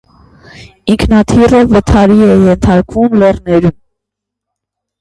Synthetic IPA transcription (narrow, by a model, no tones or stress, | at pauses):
iŋkʰnɑt̪ʰirəvət̪ʰɑɾiɛjɛnt̪ʰɑɾkvumlɛrnɛɾum